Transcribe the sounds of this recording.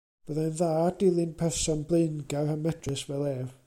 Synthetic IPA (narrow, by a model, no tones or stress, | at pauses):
b̥əðɛnðaːdɪlˠɨnpʰɛrsɔnblˠenɡahamɛdrəswɛlˠɛr